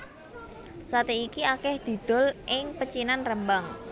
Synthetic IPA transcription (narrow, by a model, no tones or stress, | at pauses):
sat̪eikiakɛhd̪̥i̤d̪̥ɔ̤lʔɪŋpət͡ʃinanrəmbaŋ